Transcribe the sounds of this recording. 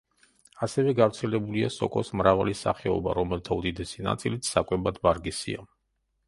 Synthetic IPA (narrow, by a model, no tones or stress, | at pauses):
asɛvɛɡavɾt̪sʰɛlɛbuliasɔ̰kʼɔsmɾavalisa̰χɛɔ̰ba̰ɾɔmɛlt̪ʰaud̪id̪ɛsina̰t̪sʼilit̪ʰsakʼwɛbad̪baɾɡisḭa